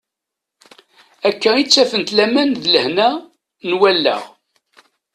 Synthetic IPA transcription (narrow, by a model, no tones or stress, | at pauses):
ækːæit͡sːæfənt̪læmænðləhnæ | nwælːə̰ʁ